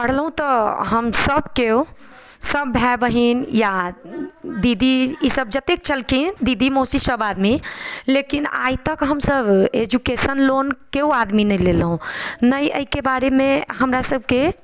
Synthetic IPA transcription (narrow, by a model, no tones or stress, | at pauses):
pəɽ̤lɦũt̪ɔɦəmsəbkeu | səbːʱɛbəɦinja | d̪id̪iːsəb̚d͡ʒət̪ek̚t͡ʃʰəlkʰind̪id̪imosisəbad̪milekina̰jt̪əkɦəmsəbed͡ʒukesənlonkeuad̪minəjlelɦũnəjʔə̰ɦikebaɾemẽɦəmɾasəb̚ke